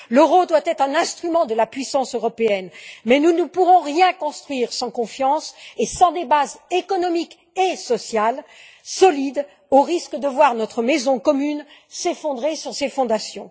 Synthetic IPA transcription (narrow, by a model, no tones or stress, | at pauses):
lɔʁod̪wat̪ɛt̪χɛ̃nɛ̃st̪χymɑ̃d̪əlapɥisɑ̃søʁɔpeɛnmɛnunəpuʁɔ̃ʁjɛ̃kɔ̃st̪χɥiʁsɑ̃kɔ̃fjɑ̃sesɑ̃d̪ebazekɔnɔmik | esɔsjal | sɔlid̪ | oʁiskəd̪əvwaʁnɔt̪χəmɛzɔ̃kɔmynsefɔ̃d̪ʁesyʁsefɔ̃d̪asjɔ̰̃